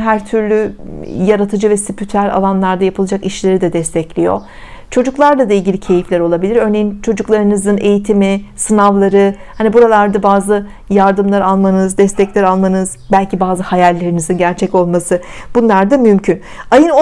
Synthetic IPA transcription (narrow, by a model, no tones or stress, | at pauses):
ɦæɾt̪ʰyɾlʲyjaɾat̪ʰɯd͡ʒɯvɛsipʰyt̪ʰæɾʲa̰lˠanlˠaɾd̪ajapʰɯlˠad͡ʒakiʃlʲe̞ɾid̪ɛd̪ɛst̪ʰɛclʲijo̞̰ | t͡ʃʰo̞d͡ʒuklˠaɾlˠad̪ailʲɟilʲicʰe̞jiflʲæɾo̞lˠabilʲiɾø̞ɾne̞jint͡ʃʰo̞d͡ʒuklˠaɾɯnɯzɯne̞jit̪ʰimɪsɯnavlˠaɾɯ | hanibuɾalˠaɾd̪abaːzɯ | jaɾd̪ɯmlˠaɾalˠmanɯzd̪ɛst̪ʰɛclʲæɾalˠmanɯzbælʲcibaːzɯhajalʲːeɾinizinɟæɾt͡ʃʰɛco̞lˠmasɯb̥unlˠaɾd̪amymcʰyn | ajɯno